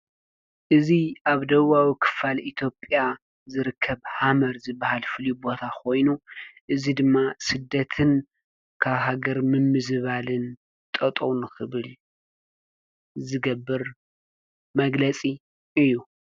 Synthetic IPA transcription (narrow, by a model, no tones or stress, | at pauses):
ʔɨziʔaβd̪ɐwawikʰɨ̥falʔit̪ʰjo̞pʼja | zɨɾɨkʰːɐβhamɐɾzɨbːahalfɨljubo̞t̪ʰakʰo̞jnuʔɨzid̪ɨmːasɨd̪ːɐt̪ʰɨn | kʰaβɦaɡɐɾmɨmːɨzβalɨn | t̪ʼɐt̪ʼownɨxɨβɨl | zɨɡɐbːɨɾ | mɐɡlɐt͡sʼi | ʔɨjːu